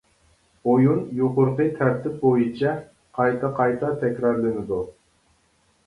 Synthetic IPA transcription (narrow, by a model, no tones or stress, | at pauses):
ojunjoqʊɾqɨt̪ʰæɾt̪ʰɪp̚bojit͡ʃʰɛ | qʰɑjt̪ʰɑqʰɑjt̪ʰɑt̪ʰɛkʲɾɑɾlɪnɪd̪u